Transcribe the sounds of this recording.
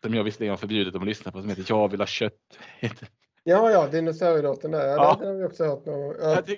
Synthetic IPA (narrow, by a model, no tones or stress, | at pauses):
sɔmjɑːɡvɪst̪əɛŋaafœɾbjʉ̟ːd̪ɪt̪ɔmɔlʏsnapʰɔsɔmheːt̪ːəɾjɑvɪlhɑːɕœt̪ːheːt̪ʰːə | jɑːjɑːd̪ɛnʊsœɾəloːt̪ːənd̪æɾjɑːɛd̪ɛhaɾvɪɔksɔhœːɾt̪noːɡɔŋjɑː